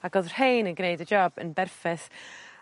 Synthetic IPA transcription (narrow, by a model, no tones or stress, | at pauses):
aɡɔðr̥hejnənɡnejdəd͡ʒɔbə̰nbɛrfɛθ